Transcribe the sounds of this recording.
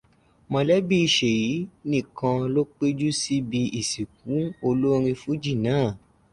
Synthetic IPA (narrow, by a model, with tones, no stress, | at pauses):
mɔ̃˧lɛ˦bi˦i˧ʃe˨ji˨˦nĩ˦˨kã˧lo˦k͡pe˦d͡ʒu˦si˦bi˧ʔi˨si˨k̚ũ˨˦o˧lo˦ɾ̃ĩ˧fu˨˦d͡ʒi˦˨nãː˦˨